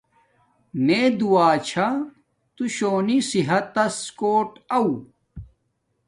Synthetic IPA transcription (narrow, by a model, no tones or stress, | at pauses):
neːd̪uaːt͡ɕʰa | t̪uɕoːnisiɦɐt̪ːɐskoːʈɐu